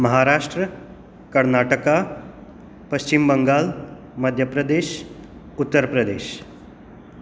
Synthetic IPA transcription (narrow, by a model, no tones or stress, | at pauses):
mɐɦaɾaːʂʈɾə | kɐɾnaːʈəka | pəɕt͡ɕimbəŋɡaːl | mɐd̪ʱjəpɾəd̪eːʃ | ut̪ːəɾpɾɐd̪eːʃ